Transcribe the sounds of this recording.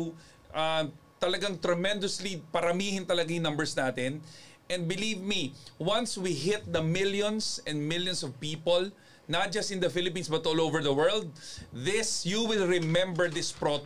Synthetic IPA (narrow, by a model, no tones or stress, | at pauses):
ʔat̪ɐlɐɡaŋt̪ɾɐmɛ̃nd̪ʊslipɐɾɐmiːhɪ̃nt̪ɐlɐɡajɪ̃ŋnɐ̃mbɛɹsnaːt̪ɪnʔɛ̃nd̪bɪliːvmiwɐnswiɦɪt̪̚d̪ɐmɪljɔ̃nsɛ̃nd̪mɪljɔnsɔvpiːpol | nɐt̪̚d͡ʒɐst̪ɪ̃nd̪ɐfɪlɪpiːnsbɐt̪ʔoːlovɛɹðɐwɛɹld̪̚ðɪsjuwɪlɹɪmɛ̃mbɛɹd̪ɪspɹot